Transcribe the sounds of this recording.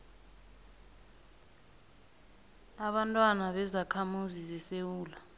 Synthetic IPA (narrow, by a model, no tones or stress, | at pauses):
aɓantʼwanaɓɛzakʰamuzizɛsewuːla